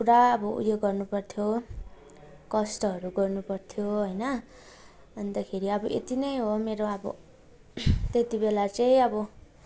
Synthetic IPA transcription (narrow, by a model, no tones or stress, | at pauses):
kuɾaʌbʌṵjjoɡʌrnupʌrt̪ʰjo | kʌsʈʌɦʌɾuɡʌrnupʌrt̪ʰjoɦʌjnʌ | bʌnd̪akʰeɾiʌbʌʔḛt̪inʌjɦomeɾoʌbʌ̰ | t̪et̪ibelat͡sʌj̃ʌbʌ